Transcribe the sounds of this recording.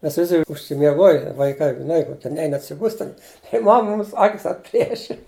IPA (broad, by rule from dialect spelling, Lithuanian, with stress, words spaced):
ˈmʲɛs ˈʋʲɪsʲɪ ʊʃʲsʲɪmʲiɛˈɡoːjɪ ʋɐɪˈkɐɪ ʒʲɪˈnɐɪ koːˈkʲiɛ ˈnʲɛɪn ɐtʲsʲɪˈbʊsʲtʲ ˈtʲɛn ɪ ˈmɐm ˈmʊms ˈɑːkʲɪs ɐtʲˈpʲlʲiɛʃʲɪ